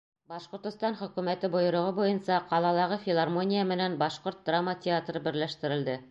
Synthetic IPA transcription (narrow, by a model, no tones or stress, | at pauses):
bɑʃqŏɾt̪ɤ̆st̪ɑnχɵ̆kʉmæt̪ɘbŏjŏɾŏʁɤbujɤnsɑqɑlˠɑlˠɑʁɤfʲɪlˠarmo̞nʲijamɘ̆nænbɑʃqoɾt̪̚d̪ramːətʲɪat̪rɤbɘ̆ɾlæʃt̪ɘ̆ɾɘ̆ld̪ɘ